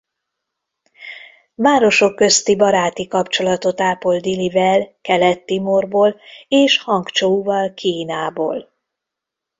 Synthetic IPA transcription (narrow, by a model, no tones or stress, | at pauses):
vaːɾo̞ʃo̞kːø̞st̪ibɒɾaːt̪ikɒpt͡ʃo̞lɒt̪o̞t̪aːpo̞ld̪ilivɛlkɛlɛt̪ːimorboːleːʃhɒŋkt͡ʃouvɒlkʰiːnaːbo̰ːl